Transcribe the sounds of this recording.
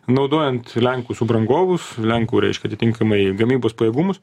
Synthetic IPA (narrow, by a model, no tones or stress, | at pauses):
nɐʊd̪oːjɛnt̪lʲɛŋkuːsʊbɾɐŋɡoːʋʊslʲæŋkuːɾʲɛ̰ɪʃʲkʲɛɐt̪ʲɪtʲɪŋkɐmɐɪɡɐmʲiːboːspɐjɛːɡuːmʊs